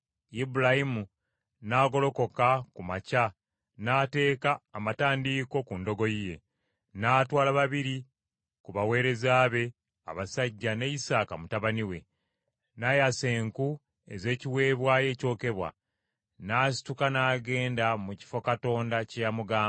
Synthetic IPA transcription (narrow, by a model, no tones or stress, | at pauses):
ibulahimu | naːɡo̞lo̞ko̞kakumaca | naːte̞ːkaːmataːndiːko̞kundo̞ɡo̞jije̞̰ | naːtwaːlaβaβiɾi | kuβawe̞ːɾe̞zaːβe̞ | a̰βasaɟːane̞isaːkamutaβaniwe̞̰ | najase̞ːŋku | e̞̰ze̞ːciwe̞ːβwaːje̞ːco̞ːke̞βwa̰ | naːs̬i̥tukanaːɡe̞ːndamuci̥fo̞kato̞ːndacejamuɡaː